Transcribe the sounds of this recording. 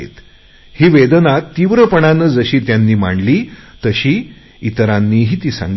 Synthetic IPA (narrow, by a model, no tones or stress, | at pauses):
ḛt̪ | hiːʋed̪nat̪ːiʋɾəpəɳanəd͡zəɕiːt̪janːiːmaɳliːt̪əɕiː | it̪ɾanːiːɦiːt̪iːsa̰ŋɡ